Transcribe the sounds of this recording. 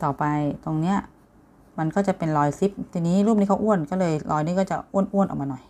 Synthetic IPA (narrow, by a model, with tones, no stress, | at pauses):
t̪ɔː˨˩pa˧jt̪o˧ŋni˦˥ɐ | ma˧nkɔː˥˩t͡ɕa˨˩pe˧nlɔː˧jsi˨˦˥p̚t̪ʰiː˧niː˦˥ɾu˥˩pni˦˥kʰa˦˥ʔu˥˩ənkɔː˥˩lɤː˧jlʔɔː˧jniː˦˥˩kɔː˥˩t͡ɕa˨˩ʔu˥˩ənʔu˥˩ənʔɔ̰˨˩kmaː˧nɔ˨˩j